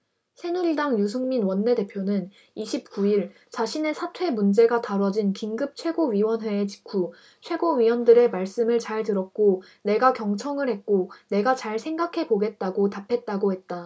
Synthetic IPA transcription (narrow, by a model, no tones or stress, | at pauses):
sʰe̞nudaŋjus̬ʰɯŋminwʌnːe̞de̞pʰjonɯn | iɕʰip̚k͈uiɭ | t͡ɕaɕʰine̞sʰatʰwe̞mund͡ʑe̞ɡataɾʌd͡ʑinkiŋɡɯp̚t͡ɕʰwe̞ɡoɥiwʌnɦwe̞ːt͡ɕi̥kʰu | t͡ɕʰwe̞ɡoɥiwʌndɯɾe̞maɭs͈ɯmɯɭt͡ɕaɭtɯɾʌk̚k͈o | ne̞ɡakjʌŋt͡ɕʰʌŋɯɭhe̞t̚k͈one̞ɡat͡ɕaɭsʰe̞ŋɡakʰe̞boɡe̞t̚t͈aɡotapʰe̞t̚t͈aɡohe̞t̚t͈a